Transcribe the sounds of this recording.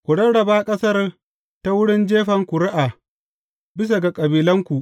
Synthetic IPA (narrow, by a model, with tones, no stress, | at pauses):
kʷu˨ɽɐ˦ɽɐ˨baː˦kʼɐ˦sɐ˦r | ta˦wʊ˦ɽɪ˦nd͡ʒeː˦ɸɐ˨ŋkʷʊ˨ɽɪ˦ʔaː˨ | bɪ˦s̬a˨ɡa˨kʼɐ˨biː˨lɐ˦ŋkʷu˨ʔ